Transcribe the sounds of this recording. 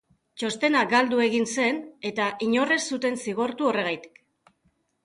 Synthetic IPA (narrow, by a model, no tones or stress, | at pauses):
t͡ʃo̞st̪e̞naɡald̪ue̞ɣinse̞ne̞t̪aʔiɲo̞re̞sːut̪e̞nsiɣ̞o̞ɾt̪uo̞re̞ɣ̞ajt̪i̥k